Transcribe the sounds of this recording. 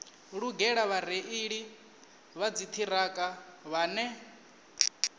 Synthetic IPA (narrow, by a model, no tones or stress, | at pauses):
ɺuɡɛɺaβaɾeʔiɺi | βad͡zit̪ʰiɾakʼaβaːnɛ